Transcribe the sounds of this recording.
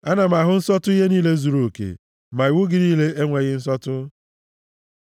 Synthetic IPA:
a˦na˨ma˨ɦʊ˨n̩˦sɔ˦tʊ˦i˦ɦe˦niː˦le˦zu˨ɾo˨o˨kḛ˨ | ma˨ɪ˨wu˦ɡɪ˦ɾi˦le˦e˦ŋʷe˨ɣɪ˦n̩˦s̬ɔ˦tʊ˦

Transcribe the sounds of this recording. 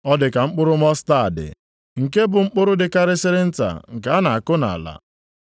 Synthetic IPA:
ɔ˦dɪ˨ka˨ŋ͡m̩˦k͡pʊ˦ɾʊ˦m˦ɔ˦sta˦˨dɪ̰˨ | ŋ̩˨ke˦bʊ˨ŋ͡m̩˦k͡pʊ˦ɾʊ˦dɪ˨ka˦ɾɪ˦sɪ˦ɾɪ˦n̩˦ta̰˨ŋ̩˨ka˨a˦na˨a˨kʊ˦na̰˨la̰˨

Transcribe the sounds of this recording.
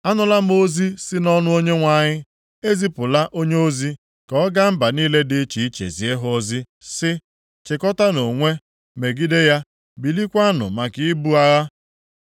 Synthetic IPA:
a˦nʊ˨la˦mo˦zi˦sɪ˦nɔ˦nʊ˦o˦ɲe˦ŋʷa˨ɲɪ˦ | e˦zi˦pʊ˨la˦ʔo˦ɲe˦o˦zi˦ | kɔ˨ɔ˦ɡa˦m̩˦ba˨niː˦le˦dɪ˦t͡ʃi˨˦t͡ʃḛ˨zi˨e˦ɦo˦zi˦ | sɪ˦ | t͡ʃɪ˨kɔ˦ta˦no˨ŋʷe˦ | me˨ɡi˦de˦ja˦ | bi˨li˦kʷa˦nʊ̰˨ma˨kɪ˨ɪ˦bu˦a˦ɣa˦

